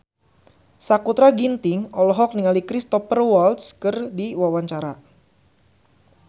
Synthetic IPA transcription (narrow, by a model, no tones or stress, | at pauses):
sakut̪ɾaɡint̪ɪŋɔlɔɦɔk̚niŋalikɾist̪ɔpərwalt̪skɨrdiwawaɲt͡ʃaɾa